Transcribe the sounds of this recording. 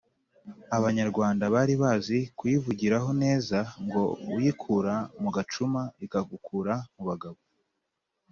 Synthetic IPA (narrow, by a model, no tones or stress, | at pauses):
aβaɲaɾɡwaːndaβaɾiβaːzikujivuɟiɾaɦo̞ne̞ːzaŋɡo̞ujikʰuːɾamuɡat͡ʃumaikaɡukʰuːɾamuβaɡaβo